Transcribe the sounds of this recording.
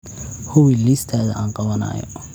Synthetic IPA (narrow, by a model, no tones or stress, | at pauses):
hʊwɪlist̪ʰaːðɐʔaːnqɑβɐnɐ̰ːjɔ̰